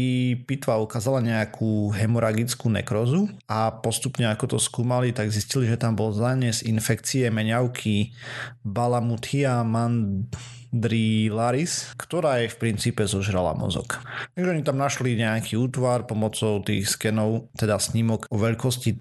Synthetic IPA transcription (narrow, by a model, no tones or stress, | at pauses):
ipit̪ʋaukaːzalaɲɛakʰuːɦɛmɔɾʔaɡit͡skuːnɛ̰kɾɔzuapɔst̪upɲɛakɔt̪ɔskuːmalit̪aɡzisciliʒɛt̪ambɔlzaɲɛzinfɛkt͡siɛmɛɲaʊkʰi | balamut̪hiaman | d̪ɾilaɾiskt̪ɔɾaːjɛfpɾint͡siːpɛzɔʒɾala̰mɔ̰zɔ̰kt̪aɡʒɛɔɲit̪amnaʃliɲɛakʰiuːt̪ʋaɾpɔmɔt͡sɔʊt̪ḭːxskɛnɔʊt̪ɛd̪asɲimɔɡɔʋɛʎkɔsci